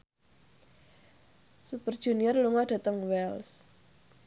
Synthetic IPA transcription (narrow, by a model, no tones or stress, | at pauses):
supərd̥ʒ̥ṳniərluŋɔɖ̥ä̤t̪əŋwɛls